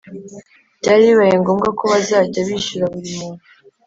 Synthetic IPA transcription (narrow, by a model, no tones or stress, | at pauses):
ɟaːɾiβajeŋɡo̞ːmɡakoβazaːɟaβiʃuɾaβuɾimuːnu